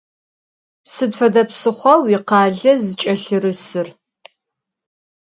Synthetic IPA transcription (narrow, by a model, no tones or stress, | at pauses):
sɨdfɐdɐpsɨχʷɐwiqɑːɮɐzɨt͡ʃʼɐɬɨrɨsɨr